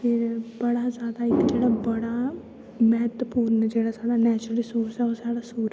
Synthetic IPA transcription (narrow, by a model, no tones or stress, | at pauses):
pʰɪɾbəɽazjaːd̪aɪt̪d͡ʒeːɽabəɽa | mɛɦət̪wəpuːɾnd͡ʒeːɽazjaːɽanɛːt͡ʃɾəlisoːsɛɔːɾsaːɽasuːɾ